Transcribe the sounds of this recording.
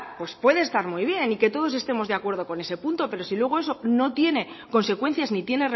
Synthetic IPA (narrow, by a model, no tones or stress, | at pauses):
pwe̞spwe̞ðe̞ːst̪aɾmuiβ̞je̞nike̞t̪o̞ðo̞s̬e̞st̪e̞mo̞zðeakwe̞ɾð̞o̞ko̞ne̞se̞punt̪o̞pe̞ɾo̞silwe̞ɣ̞o̞e̞so̞no̞t̪je̞ne̞ | ko̞nse̞kwe̞n̟θjaznit̪je̞nere